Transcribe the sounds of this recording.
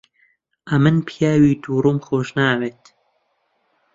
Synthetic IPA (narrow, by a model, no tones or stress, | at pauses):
ʔɐmɨnpʰjaːwiːd̪uːɾuːmxoːʒnaːweːt̪